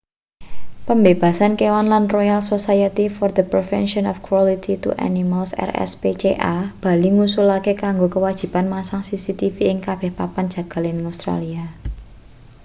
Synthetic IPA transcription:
pəmbeb̥a̤sankewanlanrojalsosajat̪ifɔrd̪əpɾɛfɛ̰nʃɔnɔfkɾwɔlit̪it̪ṵʔa̰nimalsɛ̰rɛ̰spet͡ʃḛʔab̥a̤liŋusulakekaŋɡokəwḁʒ̥i̤panmasaŋsisit̪ifiɪŋkab̥ɛhpapan̥d͡ʒ̥ä̤ɡ̥a̤lɪnəŋast̪ɾa̰lia

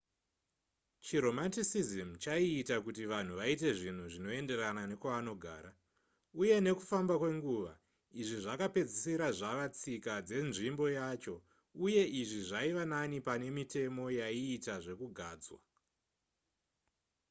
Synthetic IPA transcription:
t͡ʃiɾo̞mantisizimt͡ʃaiːtakutiʋan̤uʋaite̞ʐin̤uʐino̞e̞nde̞ranane̞kwaːno̞ɡʱa̰ːɾa | uje̞ne̞kufambakwe̞ŋɡuːʋa̰ | iʐiʐakape̞d͡zisiɾaʐaʋat͡sikad͡ze̞nʐimbo̞jaːt͡ʃo̞ | uje̞ʔiʐiʐaiʋananipane̞mite̞mo̞jaiːtaʐe̞kuɡʱaːd͡zwa̰

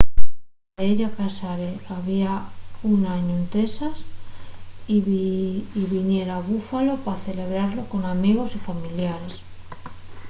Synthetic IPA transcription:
eʎakasaɾeaβiaunaɲoent̪esas | i | iβiɲje̞ɾaβufalo̞paθe̞le̞β̞ɾaɾlo̞ko̞namiɣo̞sifamiljaɾes

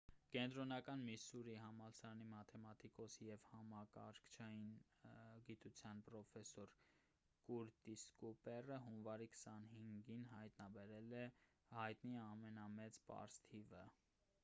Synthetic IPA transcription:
kɛnt̪ɾɔnɑkɑnmisuɾiɦɑmɑlsɑɾɑnimɑt̪ʰɛmɑt̪ʰikɔsijɛvhɑmɑkɑ̰ɾkʰt͡ʃʰɑjin | ɡit̪ut͡sʰjɑnpɾɔfɛsɔɾ | kuɾt̪iskupɛrəɦunvɑɾikʰə̥sɑnɦiŋɡinɦɑjt̪nɑbɛɾɛlɛ | hɑjt̪niɑmɛnɑmɛt͡spɑ̰ɾst̪ʰivə

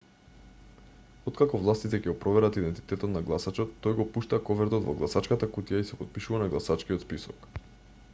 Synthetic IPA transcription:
ɔt̪kakɔvlˠast̪it̪ɛcɛɡɔpɾɔvɛɾat̪id̪ɛnt̪i̥t̪ɛt̪ɔt̪naɡlˠasat͡ʃɔt̪ːɔjɡɔpuʃt̪akɔvɛɾd̪ot̪vɔ̰ɡlˠasat͡ʃkat̪akut̪ijaisɛpot̪̚piʃuvanaɡlˠasat͡ʃkiɔt̪spisɔk

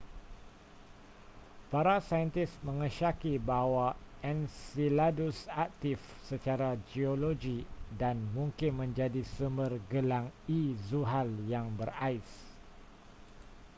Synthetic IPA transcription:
paɾasajənt̪ismə̃ŋə̃ʃakibawaɛnsiladusak̚t̪if | sət͡ʃaɾad͡ʒioloɡidanmũŋkɪnmə̃ɲd͡ʒadisumbərɡəlaŋizuɦaljaŋbəraɪs

